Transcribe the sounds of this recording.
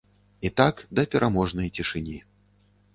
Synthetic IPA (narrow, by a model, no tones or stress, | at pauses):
it̪akd̪ɐpʲɛɾʔamɔʐnɐjt͡sʲiʂɨnʲi